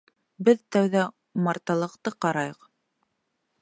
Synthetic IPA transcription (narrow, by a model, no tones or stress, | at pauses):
bɘðt̪æwðæ | mɑɾt̪ɑlˠɤ̆qt̪ɤqɑɾɑjɤq